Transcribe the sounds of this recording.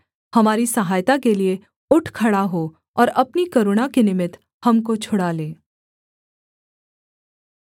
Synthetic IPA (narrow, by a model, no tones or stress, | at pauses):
hɐmaːɾisɐɦaːjt̪akelie | ʊʈʰkʰɐɽaɦoː | ɔːɾɐpnikɐɾʊɽ̃akenɪmɪt̪ | hɐmkot͡ʃʰʊɽaleː